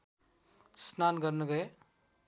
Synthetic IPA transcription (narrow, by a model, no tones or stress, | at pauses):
snanɡʌɾneɡʌe